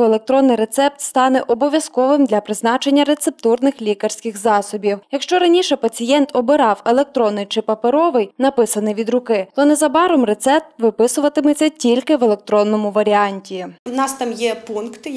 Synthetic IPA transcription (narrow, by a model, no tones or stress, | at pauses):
elˠe̞k̚t̪ɾɔnːɪjɾe̞t̪sɛp̚t̪st̪ɑnɛʔɔbɔʋʲjɐskɔʋɪmd̪lʲɐpɾɪznɑt͡ʃenʲːɐɾet̪sep̚t̪urnɪxlʲikɐrʲsʲkɪxzɑsɔbʲiwjɐkʃt͡ʃɔɾɐnʲiʃɛpɐt͡sʲijɛnt̪ɔbɪɾɑwelˠe̞k̚t̪ɾɔnːɪjt͡ʃɪpɐpeɾɔʋɪjnɐpɪsɐnɪjʋʲid̪ɾʊkɪt̪ɔnɛzɐbɑɾɔmre̞t̪sɛp̚t̪ʋɪpɪsʊʋɐt̪ɪmɪt͡sʲɐtʲilʲkɪʋelˠek̚t̪ɾɔnːɔmʊʋɐɾʲiɑnʲtʲinɑst̪ɑmjɛpunkt̪ɪ